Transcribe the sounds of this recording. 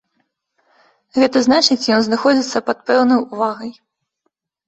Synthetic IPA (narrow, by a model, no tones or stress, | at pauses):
ɣɛt̪ɐznat͡ʂɨt͡sʲjɔnznaxɔd͡zʲit̪sːɐpɐt̪̚pɛwnɐjuvaɣɐj